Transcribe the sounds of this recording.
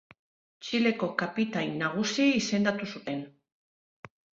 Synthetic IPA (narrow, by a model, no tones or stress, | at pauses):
t͡ʃile̞ko̞kapit̪ajnaɣ̞usiise̞nd̪at̪usut̪e̞n